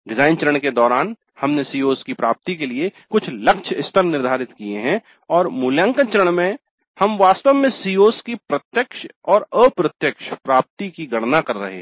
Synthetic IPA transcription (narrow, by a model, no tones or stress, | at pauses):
ɖɪzaːɪnt͡ʃəɾəɳ̃ked̪ɔːɾaːn | hɐmnesiːoːskipɾaːp̚t̪ik̬eliekʊt͡ʃʰlɐkʃʰɪst̪əɾnɪɾd̪ʱaːɾɪt̪kieɦɛ̃ | ɔːɾmʊljə̃ŋkət͡ʃəɾəɽ̃mẽ | hɐmʋaːst̪əʋmẽsiːoːskipɾɐt̪jəkʃɔːɾəpɾət̪jəkʃpɾaːp̚t̪ikiɡɐɽnakɐɾːɐ̰ɦḛ